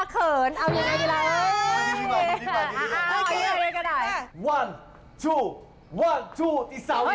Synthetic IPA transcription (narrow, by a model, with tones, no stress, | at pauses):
kʰɤː˨˩nʔa˧wja˨˧˩ŋa˧mi˧la˦˧ʔi˦˥˩a˧˦ɔ˨˩˧a˧ka˧˩daː˨˩jwa˧˩n | t̪ʰuː˧˩ | wa˧˥˩nt̪ʰuː˧˩t̪ʰiː˨˩sa˨˦